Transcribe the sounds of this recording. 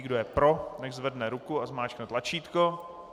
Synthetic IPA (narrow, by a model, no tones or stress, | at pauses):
ɡdojɛpɾo̞nɛɣzvɛdnɛɾukuazmaːt͡ʃknɛt̪lat͡ʃiːt̪ko